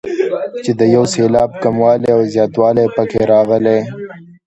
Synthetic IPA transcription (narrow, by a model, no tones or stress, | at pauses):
t͡ʃed̪əjawselɑːb̚kamwɑleawzjɑːt̪wɑlepəkʰeɾɑɣəle